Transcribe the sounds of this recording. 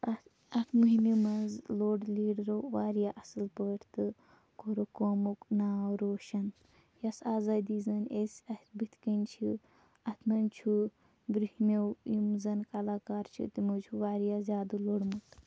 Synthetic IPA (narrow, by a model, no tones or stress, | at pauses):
ɐ | ɐt̪ʰmuɦimimɐnzloːɽliːɽɾoʋaːɾjaːʔɐsɨlpəːʈʰt̪ɨ | koɾokoːmoknaːwɾoːʃɐn | jɐsaːzaːd̪iːzɐnesʲɐt̪ʰbɨt̪ʰkənʲt͡ʃʰi | ɐt̪ʰmɐnt͡ʃʰu | bɾuhimewjimzɐnkɐlaːkaːɾt͡ʃʰḭt̪imud͡ʒʰuʋaːɾjaːzʲaːd̪uloːɽmuk̪